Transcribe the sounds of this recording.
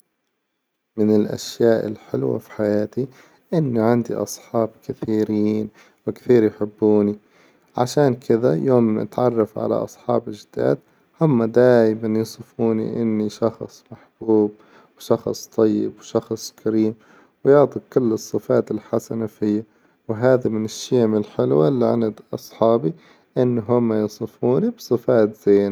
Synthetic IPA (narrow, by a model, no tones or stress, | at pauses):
mɪnɪlʔa̰ʃjaːʔɪ̰lħɪlwa̰fi̥ħajaːt̪i | ʔɪnːiʕɪnd̪ḭʔɑ̰sˤħɑːbkɪθiːɾiːn | wɪkθiːɾjħɪbːuːni | ʕa̰ʃaːnkʰɪðajoːmɪ̰t̪ʕɑrˤːɑfʕa̰la̰ʔɑ̰sˤħɑːbɪʒɪd̪a̰ːd̪̚ | hʊmːad̪aːjmanjsˤɨfuːnḭʔɪnːiʃɑxsˤmaħb̥uːb̚ | wʃɑxsˤt̪ˤɑjːɪ̰bwʃɑxsˤkʰaɾiːm | wjʊʕt̪ˤikʊlːɨsˤːɨfaːt̪ɪlħasanafɪjːa | wɪɦaːðamɪnɪʃːeːmɪlħɪlwalːiʕɪ̰nad̪ʔɑsˤħɑːbi | ʔɪnːɦʊmːajsˤɨfuːnibsˤɨfaːt̪z̥eːna